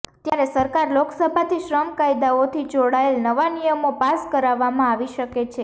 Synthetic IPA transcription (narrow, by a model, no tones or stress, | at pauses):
t̪jaɾesəɾkaɾloksəbʱat̪ʰiʃɾəmkajd̪aot̪ʰid͡ʒoɽaelnəʋanijəmopaskəɾaʋːamãaʋiʃəket͡ʃʰe